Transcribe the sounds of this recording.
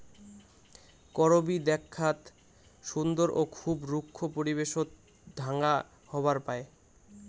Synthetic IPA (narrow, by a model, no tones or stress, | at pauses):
kɔɾobid̪ɛkʰːat̪ | ʃund̪oɾʔokʰubɾukʰːopoɾiβeʃot̪ | d̪ʱaŋa | hɔbaɾpae